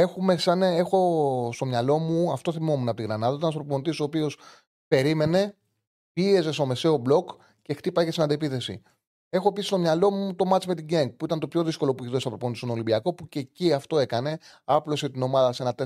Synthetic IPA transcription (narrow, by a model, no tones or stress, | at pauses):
e̞xume̞sɐnexo̞st̪o̞mɲɐlo̞muɐft̪o̞θimo̞munɐpot̪iɣɾɐnɐðɐit̪ɐnsθɾopont̪isopio̞s | pe̞ɾime̞ne̞ | pie̞ze̞st̪o̞me̞se̞o̞blo̞k | ce̞xt̪ipɐʝesinɐnd̪epiθe̞sḭ | e̞xoepisi̥st̪o̞mɲɐlo̞mut̪o̞mɐt͡sime̞t̪iɟeŋɡ̚puit̪ɐnt̪opço̞ðisko̞lo̞puiçiðosɐpɾopontd̪isoolimbiɐko̞puce̞ciɐft̪o̞e̞kɐne̞ɐplo̞set̪ino̞mɐðɐsee̞nɐt̪e